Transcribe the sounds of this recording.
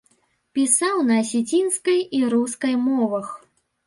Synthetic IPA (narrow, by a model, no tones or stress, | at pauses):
pʲisawnɐːsʲɛt͡sʲinskɐjiɾuskɐjmɔvɐx